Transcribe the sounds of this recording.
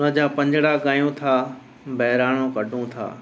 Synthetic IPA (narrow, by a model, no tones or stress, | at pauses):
ʊnə̃d͡ʑaːpɐ̃ɲd͡ʑɽakaːjũt̪ʰaː | bɐɦɪɾaːɽ̃õkɐɖʱũt̪ʰa̰ː